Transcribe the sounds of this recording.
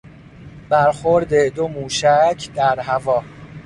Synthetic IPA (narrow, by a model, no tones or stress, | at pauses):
b̥æɾxoɾd̪ed̪omuːʃæcʰd̪æɾɦævɒː